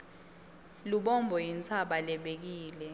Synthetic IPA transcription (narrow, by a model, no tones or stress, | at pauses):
luɓɔmbʱɔjint͡sʰaɓalɛɓek̬iːlɛ